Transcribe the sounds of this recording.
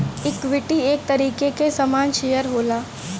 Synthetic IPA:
ɪkʋɪʈieːk̚t̪ɐɾiːkekesɐmaːnʃeːjəɾɦoːlaː

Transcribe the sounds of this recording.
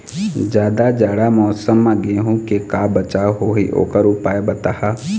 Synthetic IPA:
d͡ʒjaːd̪ad͡ʒaːɽamɔːsəmːãɡeɦũkekaːbət͡ʃaːɦoɦḭʔo̰ːkəɾupaːebɐt̪aha

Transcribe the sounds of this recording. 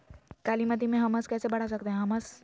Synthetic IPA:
kaːlimət̪̬imẽɦəməskɛːsebɐɽ̤asək̚t̪eɦɛ̃ɦɐməs

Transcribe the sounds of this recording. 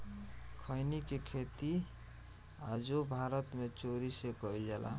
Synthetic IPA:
kʰəjnikekʰet̪i | ad͡ʒobʱaɾət̪met͡ʃoɾisekəild͡ʒelʔa̰

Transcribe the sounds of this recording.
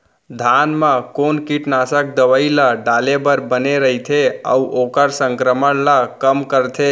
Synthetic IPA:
d̪ʱanməkonkiʈnasək̚d̪əʋəiləɖalebəɾbəneɾəɦit̪ʰeə̰uʔokəɾsəŋkɾəməɽlakəmkəɾt̪ʰe

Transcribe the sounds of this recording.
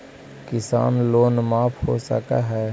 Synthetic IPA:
kɪsa̰ːnloːnmaːpʰhosə̰ka̰ɦɛː

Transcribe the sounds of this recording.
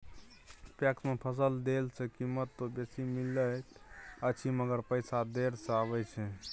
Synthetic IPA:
pɛksmepʰəs̬əld̪elsʰɛkimət̪ːobesimilːət̪ət͡ʃʰiməɡəɾpəjsad̪eɾsaβɛt͡ʃʰɛ

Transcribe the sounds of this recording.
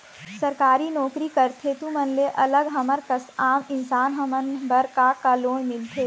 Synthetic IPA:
səɾkaːɾinɔːkɾikəɾt̪ʰet̪ũmənleʔɐləɡɦɐməɾkəsaːmɪnsaːnɦɐmənbəɾkakalõːmɪlt̪ʰeː

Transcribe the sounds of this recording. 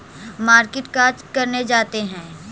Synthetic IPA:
maːɾkɪʈkaːɾd͡ʒkɐɾned͡ʒaːt̪eɦɛ̃ː

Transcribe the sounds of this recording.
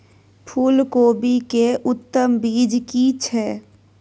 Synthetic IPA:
pʰuːlkoːbʱikeʊt̪ːəmbiːd͡ʒkit͡ʃʰɛː

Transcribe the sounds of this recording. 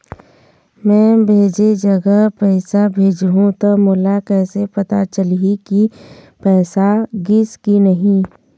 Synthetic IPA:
mɛ̃ːbʱeːd͡ʒed͡ʒɐɡəpɛːɪsabʱeːd͡ʒɦũt̪omʊlakɛːsepɐt̪a̰t͡ʃəliki | pɛːsaɡiskinɐɦĩ

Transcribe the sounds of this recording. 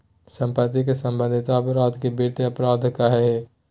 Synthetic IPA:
sə̃mpət̪ik̬esə̃mbə̃nd̪ʱɪt̪aɐpɾaːd̪ʱkebiɾt̪eɐpɾaːd̪ʱkaɦɛɦe

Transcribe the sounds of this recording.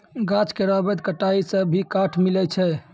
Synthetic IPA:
ɡat͡ʃkeɾabɛt̪̚kəʈaisəbʱikaʈʰmilɛt͡ʃʰɛ

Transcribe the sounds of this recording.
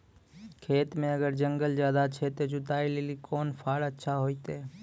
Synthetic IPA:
kʰeːt̪mẽəɡəɾd͡ʒə̃ŋɡəld͡ʒjaːd̪at͡ʃʰet̪od͡ʒʊt̪aːileːlikʰɔːnpʰaːɽətːʃʰaɦoːit̪eː

